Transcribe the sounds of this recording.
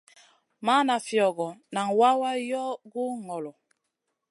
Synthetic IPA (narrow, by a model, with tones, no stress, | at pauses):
ma˦na˨fjɔ˨ɡɔ˨na˨ŋwa˦wa˦jɔ˦ɡu˦ŋɔ˨lɔ˨